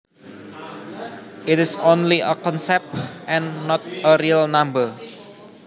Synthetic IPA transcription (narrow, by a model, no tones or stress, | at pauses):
ʔɪtɪsõnliʔə̰kɔ̃nsɛp̚tʔɛ̃nːɔt̪̚əɾiəlnãmbə